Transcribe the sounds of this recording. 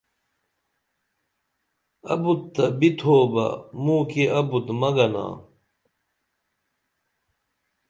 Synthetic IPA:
ɐ̰but̪ːɐbit̪ʰoːbɐ̰mũːkeʔɐbut̪mɐɡɐna̰ː

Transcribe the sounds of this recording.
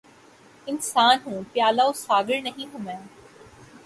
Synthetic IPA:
ɪnsaːnɦũːpjaːlaosaːɡəɭnɐɦĩːɦʊmẽ

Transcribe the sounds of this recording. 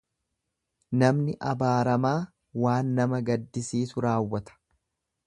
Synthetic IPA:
nɐmnɪʔɐbaːɾɐmaː | waːnːɐmɐɡɐd̪ːɪsiːsʊɾaːwːɐt̪ɐ̥

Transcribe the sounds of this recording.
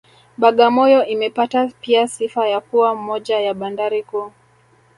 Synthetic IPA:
ɓaɠamɔjɔʔimɛpatapiasifajakuwam̩ɔʄajaɓandaɾiku

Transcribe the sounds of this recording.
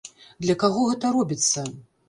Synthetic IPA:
d̪lʲɐkaɣɔɣɛt̪ɐɾɔbʲit̪sːɐ

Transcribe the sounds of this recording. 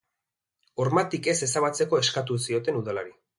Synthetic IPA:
o̞ɾmat̪ike̞se̞saβat͡se̞ko̞e̞skat̪̬usio̞t̪e̞nuðalaɾi

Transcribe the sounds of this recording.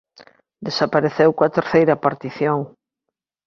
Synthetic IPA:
d̪esapaɾeθewkoɐt̪eɾθejɾɐapaɾt̪iθjoŋ

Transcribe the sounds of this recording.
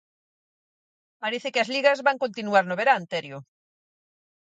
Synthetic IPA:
paɾeθekeazliɣazβaŋkont̪inuaɾnoβeɾant̪eɾjo

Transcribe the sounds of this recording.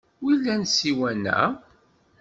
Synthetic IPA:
wilːænsiwænæ̰

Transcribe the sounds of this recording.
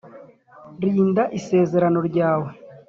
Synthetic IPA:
ɾiːndaʔise̞ːze̞ɾano̞ɾɟaːwe̞

